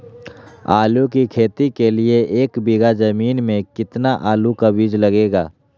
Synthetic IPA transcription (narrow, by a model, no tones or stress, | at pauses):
a̰ːlũkikʰeːt̪ikelieʔeːkbɪɡad͡ʒɐmiːnmẽkɪt̪naʔaːlukabid͡ʒlɐɡeːɡaː